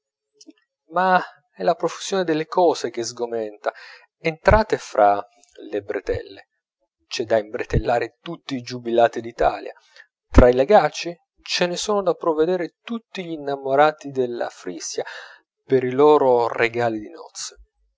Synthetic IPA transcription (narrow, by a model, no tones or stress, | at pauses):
ma | ɛlapɾofusjoːned̪elːekɔːzek̟ezɡomɛnt̪a | ent̪ɾaːt̪efɾʔa | lebɾet̪ɛ̰lːe | t͡ʃɛd̪aimbɾet̪elːaːɾet̪ut̪ːiːd͡ʒubilaːt̪id̪it̪aːlja̰ | t̪ɾaileɡaːt͡ʃi | t͡ʃenesoːnod̪apːɾovːed̪eːɾet̪ut̪ːiʎinːamoɾaːt̪id̪elːa̰fɾisja | peɾiloːɾoreɡaːlid̪inɔ̰t̪sːe̥